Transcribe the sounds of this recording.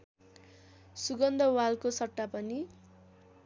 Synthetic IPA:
suɡʌnd̪ʱʌwalkosʌʈːapʌni

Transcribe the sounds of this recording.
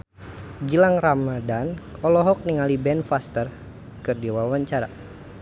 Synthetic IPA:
ɡilaŋramadanɔlɔɦɔk̚niŋalibɛnfast̪ər | kɨrdiwawaɲt͡ʃaɾa

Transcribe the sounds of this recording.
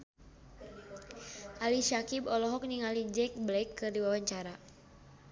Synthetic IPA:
ʔaliʃakibɔlɔɦɔk̚niŋalid͡ʒɛk̚blɛkːɨrdiwawaɲt͡ʃaɾa

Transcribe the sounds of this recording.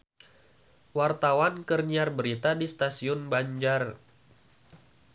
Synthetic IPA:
wart̪awankərɲiarbəɾit̪adist̪asiʊnbaɲd͡ʒar

